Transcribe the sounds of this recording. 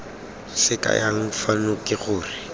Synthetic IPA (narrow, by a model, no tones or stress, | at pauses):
sɪkʼa̰jaŋ̩fanʊkʼɪɣʊːrɪ